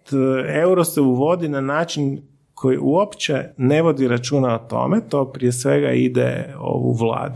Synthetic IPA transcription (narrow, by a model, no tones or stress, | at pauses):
e̞wɾoseuʋo̞d̪inanaːt͡ʃin | kʰo̞jiʔuopt͡ʃene̞ʋo̞d̪iɾat͡ʃuːnaot̪o̞̰met̪o̞ːpɾiesʋeɡa̰id̪ɛ̰o̰ʋṵʋlˠa̰ːd̪u